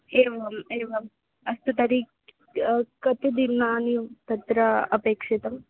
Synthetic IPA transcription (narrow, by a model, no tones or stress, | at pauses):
eːʋɐmeːʋɐm | ɐst̪ut̪ɐɾik | kɐt̪id̪inːaːnit̪ɐt̪ɾɐɐpeːkʂet̪ɐm